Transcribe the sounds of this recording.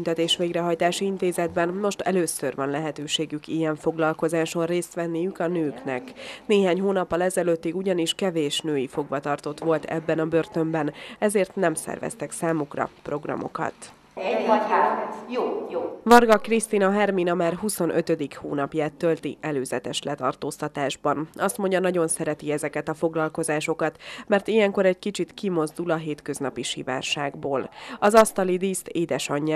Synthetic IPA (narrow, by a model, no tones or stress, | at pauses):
ynt̪ɛt̪eːʃʋeːɡrɛɦɒjt̪aːʃiint̪eːzɛd̪bɛnmo̞ʃt̪ɛløːsørʋɒnlɛɦɛt̪øːʃeːɡykijɛɱfo̞ɡlɒlko̞zaːʃo̞nreːst̪ʋɛnːijykɒnøːknɛ̰kneːɦaːɲhoːnɒpːɒlɛzɛløt̪ːiɡuɟɒniʃkɛveːʃnøːjifo̞ɡʋɒt̪ɒrt̪o̞t̪ʋo̞lt̪ʰɛ̰bːɛnɒbørt̪ø̞mbɛnɛzeːrt̪nɛmsɛ̰rvɛ̰st̪ɛksaːmukrɒ̰pro̞ɡrɒ̰mo̞̰kɒ̰t̪ | jovɒrɡɒkrist̪inɒɦɛrminɒmaːrɦuso̞nʔøt̪ø̞d̪ikhuːnɒpjaːt̪ːølt̪ḭʔɛløːzɛt̪ɛʃlɛt̪ɒ̰rt̪oːst̪ɒt̪aːʒbɒnɒst̪mo̞ɲɟɒnɒɟo̞nsɛɾɛt̪iɛzɛkɛt̪ɒfo̞ɡlɒlko̞zaːʃo̞kɒt̪mɛrt̪ijɛŋko̞ɾɛɟkit͡ʃit̪kimo̞zd̪ulɒɦeːt̪kø̞znɒpiʃḭva̰ːrʃaːɡboːlɒzɒst̪ɒlid̪iːst̪eːd̪ɛʃɒɲː